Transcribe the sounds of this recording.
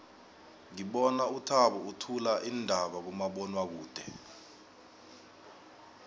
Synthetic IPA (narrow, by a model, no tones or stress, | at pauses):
ŋiɓɔnautʰaɓɔutʰulaʔindʱaɓak̬umaɓɔnwak̬uːd̥ʱɛ̰